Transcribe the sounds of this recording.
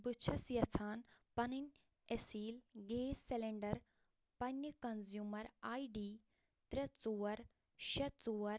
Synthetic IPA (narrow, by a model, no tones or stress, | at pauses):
bɨt͡ʃʰɐsjɐt͡sʰaːnpɐninʲ | esiːlɡeːseleɳɖɐɾ | pɐnʲɐkɐnzjuːmɐɾaːiɖiː | t̪ɾɐt͡suːɐɾ | ʃɐt͡suːɐɾ